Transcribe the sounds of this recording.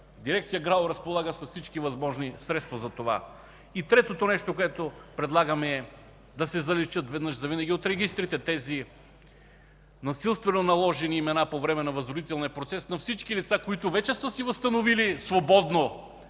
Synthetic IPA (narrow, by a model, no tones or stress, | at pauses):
d̪iɾɛkt̪sijəɡɾalˠɾɐspolˠaɡəsɐssit͡ʃkivɐzmɔʒnisɾɛt̪st̪vozɐt̪ova̰ | it̪ɾɛt̪ot̪onɛʃt̪okoɛt̪opɾɛd̪lˠaɡəmɛɛ | d̪ɐsɛzɐlɛt͡ʃət̪vɛd̪nəʃzɐvinɐɡʲiot̪ɾɛɡʲist̪ɾit̪ɛt̪ɛzi | nɐsilˠst̪vɛnonɐlˠɔʒɛniːmɛnapovɾɛmɛnɐvɐzɾod̪it̪ɛlˠniɐpɾot̪sɛsnɐfsit͡ʃkilit̪sakoit̪ovɛt͡ʃɛsəsivɐst̪ɐnovilisvobɔd̪no